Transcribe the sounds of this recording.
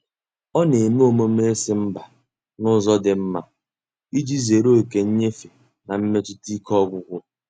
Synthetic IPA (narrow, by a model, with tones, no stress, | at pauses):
ɔ˦ne˨me˦o˨mo˦m˦e˦e˦sɪ˦m̩˦ba˨ | nʊ˦zɔ˦dɪ˨m̩˦ma˦ | i˦d͡ʒi˦ze˨ɾo˦˨ke˨ɲ̩˦ɲe˦fe˨ | na˨m̩˦me˦tʊ˦ti˦kɔ˦ɡʷʊ˦ɡʷʊ˦